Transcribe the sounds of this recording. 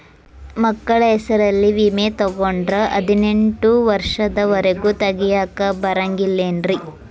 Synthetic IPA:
mɐkːɐɭɐɦɛsɐɾɐlːiʋiːmet̪ɔɡoɳɖɾɐʔɐd̪ʱine̞ɳʈuʋɐɾʂɐd̪ɐʋɐɾeɡut̪ɐɡijaːkɐbɐɾɐŋɡilːeːnɾi

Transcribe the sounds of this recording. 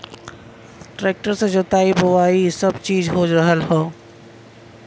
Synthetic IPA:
ʈɾeːk̚ʈəɾsẽd͡ʒoːt̪aːibɦʊʋaːisɐbt͡ʃiːzɦoːd͡ʒɾəɦəlɦoː

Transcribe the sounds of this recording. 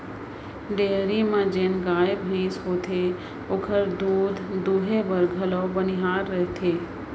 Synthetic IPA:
ɖeːɾimãd͡ʒeːnɡaːebʱə̃sɦoːt̪ʰe | okʰəɾd̪uːd̪ʱd̪uːɦebəɾɡʱəloːbənɪɦaːɾːəɦet̪ʰeː

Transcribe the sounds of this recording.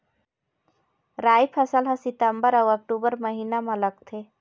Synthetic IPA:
ɾaːjpʰɐsəlɦɐsɪt̪əmbəɾɐwɐk̚ʈuːbəɾmɐɦiːnamãləkt̪ʰeː

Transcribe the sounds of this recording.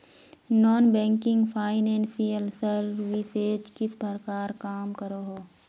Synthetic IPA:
nɔːnbɛ̃ːŋkɪ̃ŋɡpʰaːɪnɛ̃ːnsijəlsəɾʋiseːd͡ʒkɪsbʱɐɾkaːɾkaːmkəɾoɦoː

